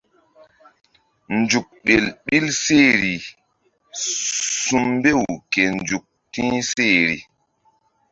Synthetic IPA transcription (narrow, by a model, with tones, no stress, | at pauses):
nd͡ʒu˨k̚ɓe˨lɓi˦lse˦˨ɾi˨ | su˨mbe˦˨wke˨nd͡ʒu˨k̚tĩ˦se˦˨ɾḭ˨